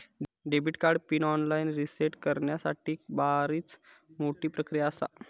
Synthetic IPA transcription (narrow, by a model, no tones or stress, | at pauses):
ɖebʱiʈkaɾɖpiːnɔnlainɾiseʈkəɾɳjasa̰ʈiːbaɾiːt͡s | moʈiːpɾəkɾijaːsa̰